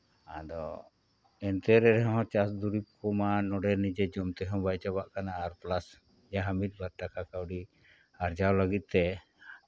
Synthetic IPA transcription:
ad̪ɔ̰ | ɛnt̪ɛɾɛɾɛɦɔ̃t͡ʃasd̪uɾip̚kɔmanɔɖɛɾnid͡ʒɛd͡ʒɔmt̪ɛɦɔ̃bajt͡ʃabaʔkanaːɾplas | d͡ʒaɦamit̪̚ˀbaɾʈakakawɖi | aɾd͡ʒawləɡit̪̚t̪ɛ

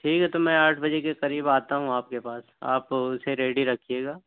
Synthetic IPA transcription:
ʈʰiːkɦɛt̪omɛ̃ːaːʈʰbɐd͡ʒekeqɐɾiːbaːt̪aɦũaːp̚kepaːs | a̰ːpʊseɾeːɖiɾɐkʰijeːɡaː

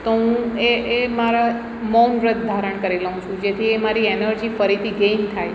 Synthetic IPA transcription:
t̪oɦũeʔemaɾa | mɔnɾət̪̚d̪ʱaɾəɳkəɾiləɦũt͡ʃʰũd͡ʒet̪ʰiemaɾienəɾd͡ʒifəɾit̪ʰiɡemt̪ʰaj

